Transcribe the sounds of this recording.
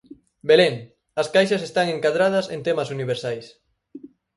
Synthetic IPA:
beleŋ | ɐskajʃɐsest̪aŋeŋkaðɾað̞ɐsḛnt̪emɐsuniβ̞eɾsajs

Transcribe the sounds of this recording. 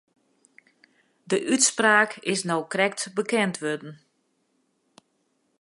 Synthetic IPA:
dəʔytspraːkʰɪsnɔwkrɛk̚tbəkɛntʰʋødn̩

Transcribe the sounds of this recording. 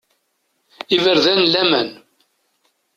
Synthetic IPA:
ivəɾðænlæmæn

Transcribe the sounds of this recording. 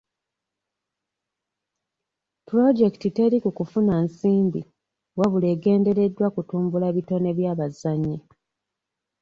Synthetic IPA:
puɾo̞d͡ʒe̞ktite̞ɾikukufunaːnsiːmbḭ | waβule̞ːɡe̞ːnde̞ɾe̞dːwakutuːmbulaβito̞ne̞βjaːβazaɲːi

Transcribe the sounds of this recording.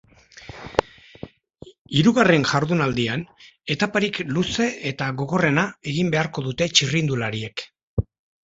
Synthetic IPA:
iɾuɣare̞nʝaɾðunald̪iane̞t̪apaɾikluse̞et̪aɣo̞ɣo̞re̞nae̞ɣimbe̞aɾko̞ðut̪e̞t͡ʃirind̪ulaɾie̞k

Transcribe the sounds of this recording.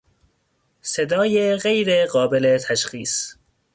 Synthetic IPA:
sed̪ɒːjeɣejɾeɢɒːbele̞t̪ʰæʃxiːs

